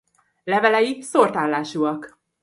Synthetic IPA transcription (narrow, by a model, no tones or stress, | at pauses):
lɛvɛlɛjisort̪aːlːaːʃuɒk